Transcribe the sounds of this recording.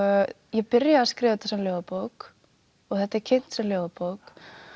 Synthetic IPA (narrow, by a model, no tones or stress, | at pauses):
jɛpɪɾjaaskɾɪːvɛt̪ːasɛmljoːwðapowk | ɔɣθɛht̪aɛɾcʰɪjn̥t̪sɛmljoːwðapowk